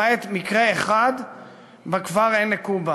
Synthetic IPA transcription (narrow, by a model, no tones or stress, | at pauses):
et̪mikʁeeχad̪ | bakvaʁenːekuba